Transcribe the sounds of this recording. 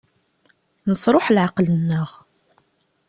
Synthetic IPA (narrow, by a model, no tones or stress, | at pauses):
nəsˤɾˤoħlʕaqlənːəʁ